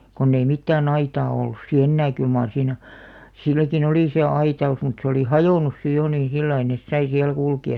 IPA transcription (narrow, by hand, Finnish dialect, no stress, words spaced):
konː ei mitːæːn ɑitɑː olːus si enːæː kyl mɑːr siːnæ silːækin oliˑ se ɑitɑus mut se oli hɑjoˑnus si jo nĩː silːɑi nes sɑi siæl kulkiɑs